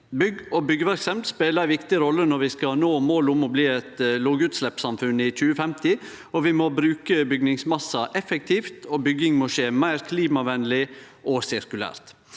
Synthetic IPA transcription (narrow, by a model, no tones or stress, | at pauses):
bʏɡɔbʏɡːəʋæɾksɛmt̪speːləɾæɪʋɪkt̪ɪɾɔlːənɔɾʋɪskɑnoːmoːlʊmɔbliːɛt̪loːɡʉːt̪slɛpsɑmfʉnɪc͡çʉːəfɛmt̪ɪ | ɔʋɪmɔbɾʉːkəbʏɡnɪŋsmɑsːɑʔɛfɛk̚t̪ʰiːft̪ʰɔbʏɡɪŋmɔʃeːmæɪɾkʰliːmɑʋɛnlɪ | ʔɔsɪɾkʉlæ̰ːɾt̪